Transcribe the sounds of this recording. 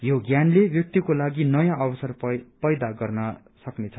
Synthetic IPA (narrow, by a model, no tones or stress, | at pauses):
joɡjanlebjʌk̚t̪ikolaɡinʌjãʔʌbʌsʌrpʌjd̪aɡʌrnʌ | sʌknet͡sʰʌ